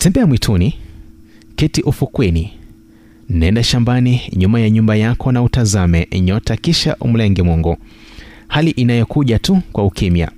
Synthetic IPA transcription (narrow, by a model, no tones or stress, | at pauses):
tɛmbɛamwitʰuni | kɛtiʔufukwɛni | n̩nɛndaʃambaniɲumajaɲumbajakʰɔnautazamɛɲɔtakiʃa̰ʔṵm̩lɛŋɡɛmwɔŋɡɔ | haliʔinajɔkuʄatukwaukimja̰